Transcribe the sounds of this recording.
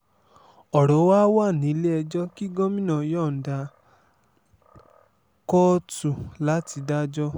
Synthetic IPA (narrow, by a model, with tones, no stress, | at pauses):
ɔ˨ɾɔ˨˦wa˦wa˦˨nĩ˨˦le˦ɛ˧d͡ʒɔ˦ki˦ɡɔ̃˦mĩ˦nã˦˨jɔ˦˨n̩˨da˧ | kɔ˦tu˨la˨˦ti˧da˦d͡ʒɔ˦